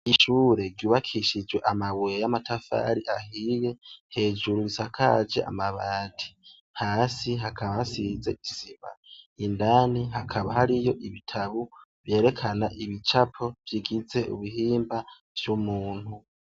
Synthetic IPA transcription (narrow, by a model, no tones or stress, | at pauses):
iʃuːɾe̞ɾɟuːβakʰiʃid͡ʒwe̞ʔamaβwejamatʰafa̰ːɾiʔahije̞he̞ːd͡ʒuɾuisakʰad͡ʒe̞̰ʔa̰maβaːtʰi̥ | haːsiɦakʰaβasize̞iziβa̰indaːniɦakʰaβahaɾijo̞ʔiβitʰaβu | vje̞ːɾe̞kʰanaʔiβit͡ʃapʰo̞v̥jiɡize̞ʔṵβihiːmba | v̥jumuːn̥hu